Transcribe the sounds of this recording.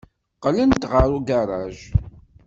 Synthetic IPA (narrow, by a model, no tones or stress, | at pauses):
qlənt̪ʁəɾuɡaɾˤɑ̰ʒ